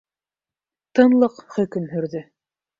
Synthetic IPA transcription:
t̪ɤ̆nlˠɤqχɵ̆kɵ̆mɦɵ̆ɾðɵ

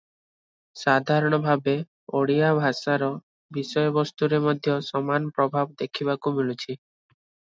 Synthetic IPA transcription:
sad̪ʱaɾɔɽ̃ɔbʱabe | oɽijabʱasaɾɔ | bisɔjɔbɔst̪uɾemɔd̪ʱjɔsɔmanɔpɾɔbʱabd̪ekʰibakumilut͡ʃʰi

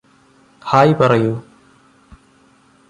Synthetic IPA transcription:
haːjipɐrɐju

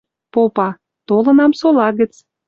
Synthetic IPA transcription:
popɑ | t̪olənɑmsolɑɣət͡s

